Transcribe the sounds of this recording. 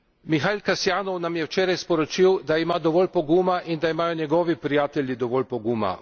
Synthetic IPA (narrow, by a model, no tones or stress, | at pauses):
mixalʲkasjaːnɔwnamjɛwt͡ʃɛːɾajspɔɾɔt͡ʃiwd̪aimaːd̪ɔʋɔːlʲpɔɡuːmaʔind̪aimaːjɔɲɛɡɔːʋipɾijaːt̪ɛʎjid̪ɔʋɔlʲpɔɡuːma̰